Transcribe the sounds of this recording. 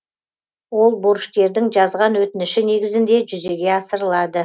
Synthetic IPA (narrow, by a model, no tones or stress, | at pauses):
wo̞lˠboɾəʃkʲe̞ɾd̪ɪŋʒɑzʁɑnwɵt̪ɪnɪʃɪne̞ɡʲɪzɪnd̪e̞ʒʏze̞ɡʲe̞ɑsəɾəlˠɑd̪ə